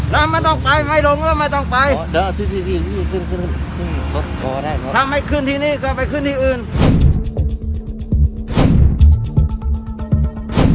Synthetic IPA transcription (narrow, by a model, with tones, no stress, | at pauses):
lɛː˦˥ma˧˥˨nt̪ɔ˧˩ŋpa˧jma˥˩jlo˧˥ŋkːma˧˥˩nt̪ɔ˥˩ŋpa˧jla˧˥˧t̪ʰɯ˧˩t̪i˧˩t̪i˧˩i˥˧˩kɯ˧˥˩nɯ˧˩˧sɯ˥˩ŋlo˦˥t̪̚kɔː˧daː˥˩jʰɔ˦t̪ʰa˧˥mːha˥˩jkʰɯ˧˥˩nt̪ʰiː˧niː˧˩kʰɔ˧˩pa˧jkʰɯ˥˨nt̪ʰiː˥˩˨ʔɯː˧˩n